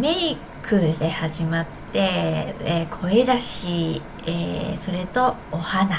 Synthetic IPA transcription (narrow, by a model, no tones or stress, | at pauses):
mei | kʰɯ̟d̪e̞haʑimat̪ːe̞ekʰo̞e̞d̪aɕi | eso̞ɾe̞t̪o̞ːhana